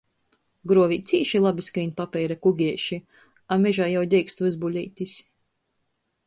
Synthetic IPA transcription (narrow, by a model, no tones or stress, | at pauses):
ɡɾuɔvit̪sʲiːʃilˠabʲiskɾiːnpapʲɛjɾakuɡʲiɛʃi | amɛʒaːjawd̪ʲɛjkst̪vɨzbulʲḭjt̪ʲisʲ